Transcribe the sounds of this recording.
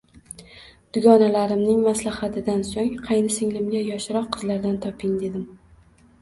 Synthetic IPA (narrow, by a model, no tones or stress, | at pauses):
d̪̥ʊɡʲɒnalaɾɪmnɪŋmaslahat̪ʰɪd̪ansoŋqʰɑjnɪsɪŋlɪmɡʲajɒʃɾɒqʰːɨzlaɾd̪ant̪ʰɒpʰɪŋd̪e̞d̪ɪm